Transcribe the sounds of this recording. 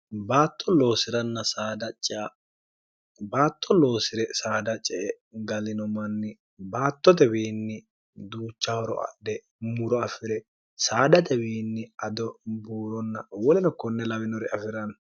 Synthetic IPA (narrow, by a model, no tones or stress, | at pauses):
baːt̪ʰːɔlo̞ːsɪɾɐnːɐsaːd̪ɐt͡ʃʼːɪʔɐ | baːt̪ːɔlo̞ːsɪɾɛsaːd̪ɐt͡ʃʼːɛʔɛ | ɡɐlɪnɔmɐnːɪ | baːt̪ːɔt̪ɛbiːnːɪ | d̪uːt͡ʃːahɔɾɔ̰ɐ̰d̪ɛ | mʊɾɔɐfɪɾɛ | saːd̪ɐt̪ɛbiːnːɪɐd̪ɔbuːɾɔnːɐ̰wɔlɛnɔkɔnːɛlɐwɪnɔɾɛɐfɪɾɐn